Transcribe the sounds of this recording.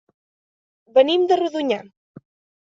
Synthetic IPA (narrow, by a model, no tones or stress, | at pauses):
βənimd̪əruðuɲa